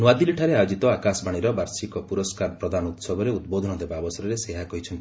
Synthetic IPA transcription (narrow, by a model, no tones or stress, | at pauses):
nuad̪iliʈʰaɾeajod͡ʒit̪ɔakasbaɽ̃iɾɔbaɾsikɔpuɾɔskaɾpɾɔd̪anut̪sɔbʱɔɾeud̪̚bod̪ʱɔnɔd̪ebaːbɔsɔɾɔɾeseɦakɔɦit͡ʃʰɔnt̪i̥